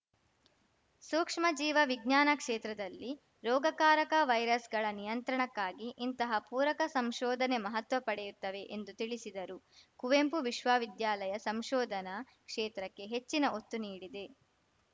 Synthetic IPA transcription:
suːkʂmɐd͡ʒiːʋɐʋiɡɲaːnɐkʂeːt̪ɾɐd̪ɐlːi | ɾɔːɡɐkaːɾɐkɐʋɐjɾɐsɡɐɭɐnijɐnt̪ɾɐɳɐkːaːɡiʔint̪ɐɦɐpuːɾɐkɐsɐmʃɔːd̪ʱɐnemɐɦɐt̪ʋɐpɐɽɛjut̪ːɐʋe̞ʔend̪ut̪iɭisid̪ɐɾukuʋempuʋiʃʋaːʋid̪jaːlɐjɐsɐmʃɔːd̪ʱɐnɐ | kʂeːt̪ɾɐkːe̞ɦe̞t͡ʃːinɐot̪ːuniːɽid̪e̞

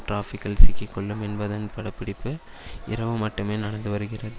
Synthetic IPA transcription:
ʈɾaːfɪkːɐlsɪkːikːɔɭːɯmɛnbɐðaːnpɐɽɐpːɪɽɪpːɯ | ɪɾɐʋɯmɐʈːɯmeːnɐnɐnd̪ɯʋɐɾɯɣɪrɐðɯ

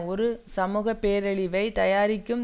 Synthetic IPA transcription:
ɔɾɯsɐmuːɣɐpːeːɾɐɭɪʋɐɪt̪ɐjaːɾɪkːɯm

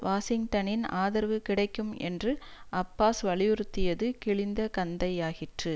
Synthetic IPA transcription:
ʋaːsɪŋʈ̪ɐnɪnaːðɐɾʋɯkɪɽɐɪkːɯmɛ̰ndrɯʔɐpːaːsʋɐɭɪjʊɾɯt̪ːɪjɐðɯkɪɭɪnd̪ɐkɐnd̪ɐɪaːɣɪʈrɯ

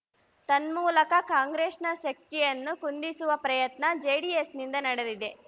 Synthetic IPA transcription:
t̪ɐnmuːlɐkɐkaːŋɡɾeːʂnɐʃɐk̚tijɐnːukund̪isuʋɐpɾɐjɐt̪nɐd͡ʒeːɽiesnind̪ɐnɐɽed̪id̪e̞

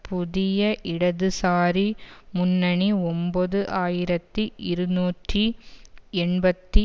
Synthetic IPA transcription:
pʊðɪjɐʔɪɽɐðɯsaːɾimʊnːɐɳiɔmboðɯʔaːjɪɾɐt̪ːiʔɪɾɯnuːʈri | ɛɳbɐt̪ːi

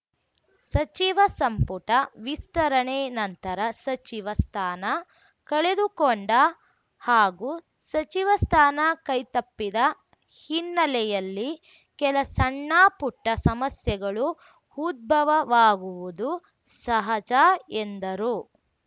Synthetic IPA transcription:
sɐt͡ʃiʋɐsɐmpuʈɐʋist̪ɐɾɐɳɛːnɐnt̪ɐɾɐsɐt͡ʃiʋɐst̪ʰaːnɐ | kɐɭed̪ukɔɳɖɐ | haːɡuː | sɐt͡ʃiʋɐst̪ʰaːnɐkɐjt̪ɐpːid̪ɐ | hinːɐlɛjɐlːi | kɛlɐsɐɳːaːpuʈːɐsɐmɐsjɐɡɐɭu | huːd̪̚bʱɐʋɐʋaːɡuʋud̪u | sɐɦɐd͡ʒaːend̪ɐɾu

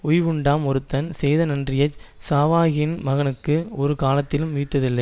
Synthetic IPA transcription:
ʊjʋɯɳɖaːmɔɾɯt̪ːɐnsɛjðɐnɐndrɪjɐt͡ʃsaːʋaːɣɪnmɐɣɐnɯkːɯɔɾɯkaːlɐt̪ːɪlɯmːʊjɪt̪ːɐðɪlːɐɪ

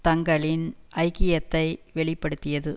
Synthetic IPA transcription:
t̪ɐŋɡɐɭɪnʔɐɪkɪjɐt̪ːɐɪʋɛɭɪpːɐɽɯt̪ːɪjɐðɯ

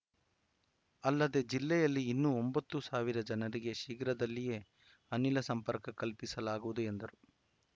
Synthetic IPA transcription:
ɐlːɐd̪e̞d͡ʒilːɛjɐlːiːnːuombɐt̪ːusaːʋiɾɐd͡ʒɐnɐɾiɡe̞ʃiːɡɾɐd̪ɐlːije̞ː | ɐnilɐsɐmpɐɾkɐkɐlpisɐlaːɡuʋud̪ue̞nd̪ɐɾu

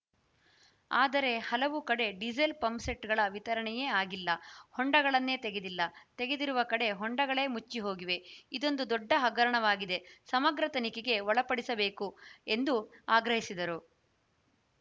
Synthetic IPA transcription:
aːd̪ɐɾe̞hɐlɐʋukɐɽe̞ɖid͡ʒelpɐmseʈɡɐɭɐʋit̪ɐɾɐɳɛjeːaːɡilːɐhɔɳɖɐɡɐɭɐnːe̞ːt̪eɡe̞d̪ilːɐt̪eɡe̞d̪iɾuʋɐkɐɽe̞ɦɔɳɖɐɡɐɭe̞ːmut͡ʃːiɦoːɡiʋe̞id̪o̞nd̪ud̪ɔɖːɐɦɐɡɐɾɐɳɐʋaːɡid̪e̞sɐmɐɡɾɐt̪ɐnikeɡe̞ʋɔɭɐpɐɽisɐbe̞ːkue̞nd̪uaːɡɾɐɦisid̪ɐɾu

